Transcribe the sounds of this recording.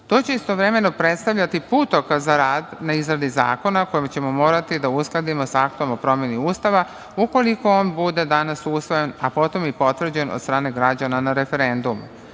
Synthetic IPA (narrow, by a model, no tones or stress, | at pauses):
t̪o̞ːt͡ɕe̞ist̪oʋɾe̞me̞no̞pɾe̞t̪st̪aʋʎat̪ipuːt̪o̞kazaɾaːd̪naizɾad̪iza̰ːko̞nako̞jimt͡ɕe̞mo̞mo̞ːɾat̪id̪ausklˠad̪imo̞sak̚t̪o̞mo̞pɾo̞mje̞niuːst̪aʋa | uko̞liko̞oːnbud̪e̞d̪anasusʋojenapo̞t̪o̞mipo̞t̪ʋr̩d͡ʑeno̰d̪st̪ɾaːne̞ɡɾad͡ʑananaɾe̞fe̞ɾe̞nd̪umu